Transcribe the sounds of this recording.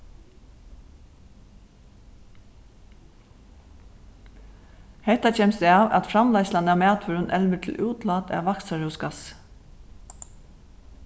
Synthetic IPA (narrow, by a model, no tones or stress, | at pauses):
hɛht̪ːat͡ʃʰɛːmst̪ɛava̰t̪fɾamlaɪslanamæːt̪ʰʋʏɾʏnʔɛlʋət̪ʰɪlʔuːt̪laːt̪ʰɛ̰ʋaksaɾuːskas